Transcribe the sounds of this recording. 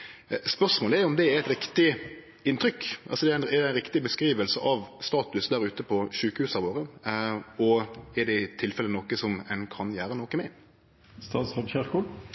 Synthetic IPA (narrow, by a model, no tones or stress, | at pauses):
spœʂmoːləɛjʊɔmd̪ɛɛɾɛt̪ɾɪkt̪ɪ | ɪnt̪ʰɾʏkːʔɑlsɔd̪ɛæɪnɛæɪnɾɪkt̪ɪbəskɾiːʋəlsəʔɑʋst̪ɑːt̪ʉsd̪æɾʉːt̪əpʰɔʃʉːkəhʉːsɑɾʋoːɾə | ɔɛd̪ɛɪt̪ʰɪlfɛlənɔkəsɔmɛnkʰɑnjæːɾənɔkəmæɪn | st̪ɑːt̪sʁɑmçæʁkʊ